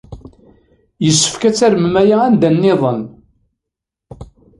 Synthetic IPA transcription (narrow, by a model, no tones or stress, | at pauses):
jəsːə̥fkæt͡sːæɾəmmæjaænd̪ænːɪðˤən